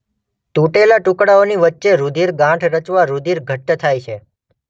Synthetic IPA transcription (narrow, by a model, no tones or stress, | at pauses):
t̪uʈelaʈukɽaoniʋətːʃeɾud̪ʱiɾɡãʈʰɾət͡ʃʋaɾud̪ʱiɾɡʱəʈːt̪ʰajt͡ʃʰe